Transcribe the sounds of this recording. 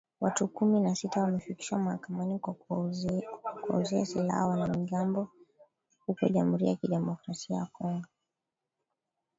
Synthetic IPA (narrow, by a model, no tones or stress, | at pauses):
watukuminasitawamɛfiki̥ʃamwahakamani | kuɔ̰ziasila̰hawanamiɠambɔ | hukɔʄamuɾḭjakiɗɛmɔkɾasiajakɔŋɡɔ